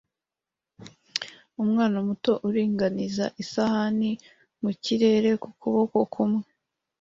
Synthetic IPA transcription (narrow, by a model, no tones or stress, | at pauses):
umŋaːnamuto̞ʔuɾiːŋɡanizaʔisahani | muciɾe̞ːɾe̞kukuβo̞ko̞kʰumŋe